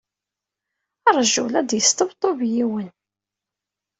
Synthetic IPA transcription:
ɑɾˤʒulæd̪jəst̪əbt̪ˤːobjiwən

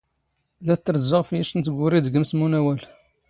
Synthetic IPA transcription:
læt̪ːəɾzːəʁfjiʃənt̪ɡʊɾid̪ɡəmsmunæwæl

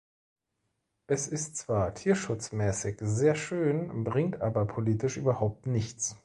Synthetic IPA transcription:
ʔɛsɪstt͡sv̥aːɐtʰiːɐʃʊt͡smɛːsɪçzeːɐʃøːnbʁɪŋtʔaːbɐpʰoliːtɪʃʔyːbɐhaʊp̚tnɪçt͡s

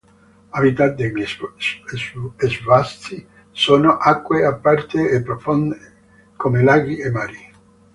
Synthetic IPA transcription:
abit̪ad̪eʎ | ezvast̪i | soːnoʔakːweapːart̪eːpːɾofond̪e | komelaːɡɾiemːaːɾi

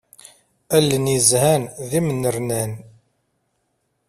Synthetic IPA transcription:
ælːənjəzhænðimənːəɾnæn

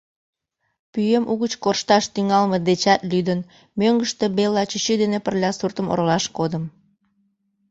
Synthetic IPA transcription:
pyjemʔuɣət͡ɕkorʃt̪ɑʃt̪yŋɑlmed̪et͡ɕɑt̪lyd̪ən | møŋɡəʃt̪ebelːɑt͡ɕət͡ɕyd̪enepərlʲɑsurt̪əmo̰ɾolɑʃkod̪əm

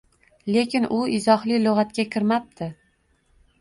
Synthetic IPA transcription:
le̞kʲɪnʔʊɪzɒhlɪloʁat̪̚kʲakʲʰɪɾmap̚t̪ʰɪ

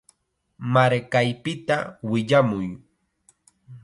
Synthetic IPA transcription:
maɾkajpɪt̪awɪʎamʊj

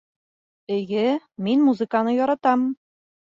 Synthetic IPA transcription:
ɘ̆ɡɘminmuzɨ̆kanɤjɒɾɑt̪ɑm

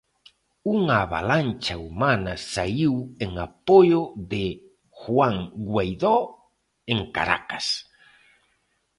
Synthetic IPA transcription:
uŋaβa̰lant͡ʃaumanɐsaiweŋapojoðe | xwaŋɡwejðɔ | eŋka̰ɾa̰kas

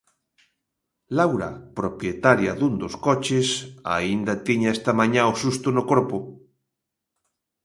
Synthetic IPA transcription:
lawɾɐ̰pɾopjet̪aɾjɐ̰ðund̪oskɔt͡ʃesa̰ind̪ɐt̪iɲaest̪amaɲãosust̪ʊnʊkoɾpʊ

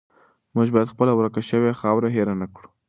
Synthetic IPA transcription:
muʒbɑjad̪xpəlawɾakaʃəwexɑwɾaɦeɾanakɽu̥

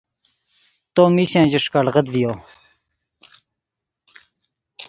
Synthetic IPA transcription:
t̪oːmiɕẽːd͡ʑiʂkaɽʁəd̪vijoː

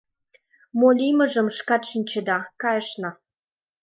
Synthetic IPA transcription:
molʲimə̆ʒə̆mʃkɑt̪ʃinʲt͡ɕə̆d̪ɑkɑjə̆ʃnɤ̆

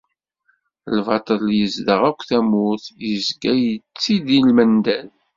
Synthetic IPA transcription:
lvɑt̪ˤəljəzd̪əʁækʷːθæmʊθjəzɡæjət͡sːid̪ilmənd̪æl

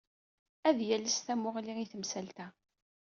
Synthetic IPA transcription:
æðjæləsθæmʊʁliiθəmsælt̪æ

